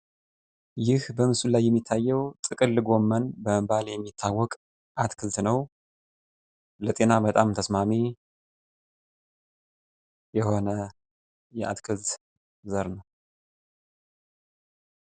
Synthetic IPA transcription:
jɪhbəmɨsulajːɛmːit̪ʰːajːɛwt̪ʼɨkʼɨlːɨɡo̞mːənbəməbaljɛmːit̪ʰːawːɔkʼ | ʔat̪kʰɨzt̪nəw | lət̪ʼe̞nabət̪ʼamt̪ʰəsmame | jɛho̞nə | jɛʔa̰t̪kʰɨzt̪ | zəɾnəw

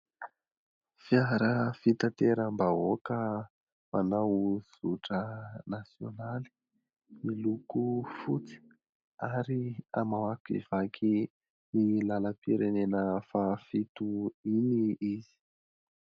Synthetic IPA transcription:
fiaɾəfit̪at̪eɾəmbaɦokə | manawz̥uʈ͡ʂənasjonali̥ | milukufut͡si̥ | aɾia̰mawakḭv̥akʰi | nilaləpiɾenenəfafit̪uiniizi̥

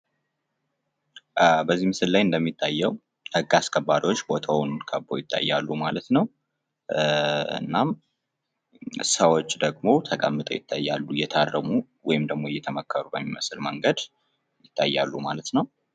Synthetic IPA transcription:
bəzːimɨsɨllajɨnd̪əmːit̪ʰʼːajːɛw | hɨɡːaskʰʼəbːaɾiwot͡ʃːbot̪ʰəwnkʰəbo̞̰jɪt̪ʰʼːa̰jːa̰lːumalət̪nəw | ɨ̰nːam | səwot͡ʃːd̪əɡmo̞t̪ʰəkʼəmːɨt̪ʼə̰jɪt̪ʰːajːalːujɛt̪ʰarːəmu | wɔjɪmd̪əɡ̚mo̞jɛt̪ʰəməkʰːəɾubəɲːmɨslməŋɡəd̪ | jɪt̪ʰːa̰jːalːumalət̪nəw

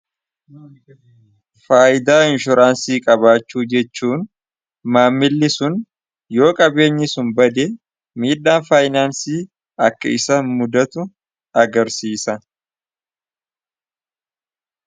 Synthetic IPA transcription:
faːʔɪd̪aːɪnʃʊɾaːnsiːkʼɐbaːt͡ʃːuːd͡ʒɛt͡ʃːuːn | maːmːɪlːɪsʊn | jo̞ːkʼɐbe̞ːɲːɪsʊnbɐd̪eː | miːᶑːaːnfaːjɪnaːnsiː | ɐkːɐ̰ɪsaːnmʊd̪ɐt̪ʊ | ɐɡɐɾsiːsɐ

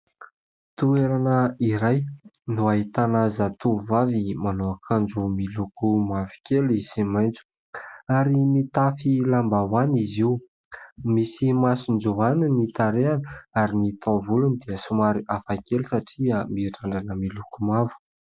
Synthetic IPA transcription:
t̪ueɾanəiɾajnuaɦit̪anazat̪uvavimanoakʰand͡ʒumilukumavi̥kʲelisimajnt͡su̥ | aɾimit̪afilambawaniziu | misimasind͡ʒuaninit̪aɾeanəaɾinit̪ʰavulunid̪eəsumaɾiʔafakʲelusaʈ͡ʂiəmiʈ͡ʂaɳɖ͡ʐanəmilukumavu̥

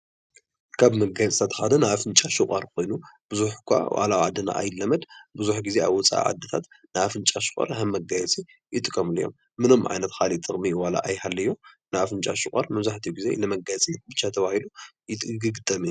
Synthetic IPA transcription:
kʰaβmɐɡajt͡s̪ʼʰat̪ʰxad̪ɐnɨfɨnt͡ʃʼaʃukʼɐɾkʰo̞jnub̥ɨzuħkʷʰa̰wa̰lawʕad̪ːɨna̰ʔa̰jɪlːɐmɐd̪bɨzuħɡizea̰βwɔt͡sʼa̰ʔa̰ʕa̰d̪ːɨt̪ʰat̪ | nɨafɨnt͡ʃʼaʃʊ̥kʼɐ̰ɾhɐmːɐɡajɛt͡sʼi | jɪt̪ʼːɨkʼːɐmɨlijːo̞̰mːɨnomʕa̰jnɐt̪xalit̪ʼːɨχʼmiwala̰ʔajhalːɐjːo | nɨafɨnt͡ʃʼaʃʊχʼɐɾmɐβzaħt̪ʰijɡizḛlɨmɐɡajɛt͡sʼibɨt͡ʃːat̪ʰɐβahilujɪt̪ʼɡɨɡɨt̪ʼːɐmi

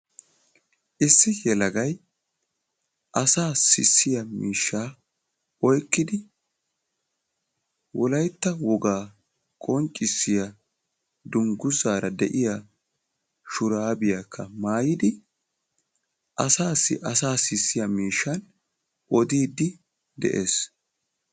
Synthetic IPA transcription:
ʔɪsːɪjɛlɐɡɐj | ʔɐsaːsɪ̰sːɪjɐmiːʃːaː | ʔɔjkːɪd̪ɪ | wʔɔlɐjt̪ːɐwɔɡaː | kʼɔnt͡ʃʼːɪsːɪjɐ | d̪ʊŋɡʊzaːɾɐd̪ɛʔɪja | ʃʊɾaːbɪjakʰːɐmaːjɪd̪ɪ | ʔɐsaːsːɪ̰ʔɐsaːsɪsːɪjɐmiːʃːɐn | ʔɔd̪iːd̪ːɪ | d̪ɛ̰ʔe̞ːs

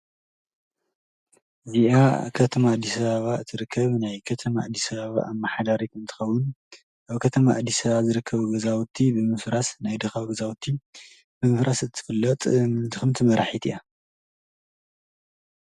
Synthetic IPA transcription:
ziʔakʰɐt̪ʰɐmaːd̪ːisɐβaβaɨt̪ʰɨɾɨkʰːɐβnajkʰɐt̪ʰɐmaad̪ːisɐβaβa̰ʔamːaħad̪aɾikɨnt̪ʰɨ̥xɐwːʊn | ʔaβkʰɐt̪ʰɐmaʔːd̪ːisɐβazɨɾɨkʰːɐβuɡɐzawt̪ʰːibɨmɨfɾasnajd̪ɐxawɡɐzawt̪ʰːi | bɨmɨfɾʔasɨt̪ʰːɨ̥fɨlːɐt̪ʼt̪ʰɨxɨmt̪ʰɨmɐɾaħit̪ʰḭʔa

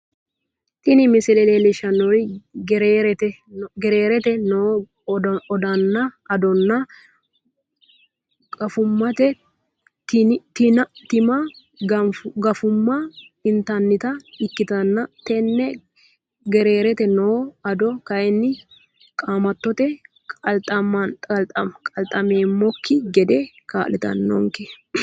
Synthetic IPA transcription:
t̪ʼɪnɪmɪsɪlɛleːlɛʃɐnːoɾɪɡɛɾeːɾɛt̪ɛɡɛɾeːɾɛt̪ɛno | ɔd̪ɐnːɐɐd̪ɔnːɐ | kɐfʊmːɐt̪ɛ | tt̪ɪnɐt̪ɪmɐ | ɡɐɡɐfʊmːɐ | ɪnt̪ɐnːɪt̪ɐɪkːɪt̪ɐnːɐt̪ɛnːɛ | ɡɛɾe̞ːɾɛt̪ɛnoːɐd̪ɔkɐʔɛnːɪ | kʼaːmɐt̪ːɔt̪ɛ | kʼɐlt̪ʼɐmɐt̪ʼɐkʼɐlt̪ʼɐmeːmːɔkːɪɡɛd̪e | ka̰ːlɛt̪ɐ̰nːɔ̰ŋkɛ

